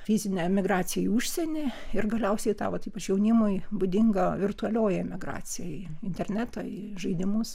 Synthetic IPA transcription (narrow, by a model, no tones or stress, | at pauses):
fʲɪzʲɪnʲɛmʲɪɡɾɑːt͡s̪ʲɪjɛiuʃʲsʲɛnʲɪɪrɡɐlʲɛʊsʲɛɪt̪ɑ̰ːʋɐt̪iːpɐt͡ʃjɛʊnʲɪmʊɪbʊd̪ʲɪŋɡɐʋʲɪrt̪ʊɐlʲoːjɛmʲɪɡɾɑ̰ːt͡sʲɪjɛjɪnʲt̪ʲɛrʲnʲæːt̪ɐi | ʒɐɪd̪ʲɪmʊs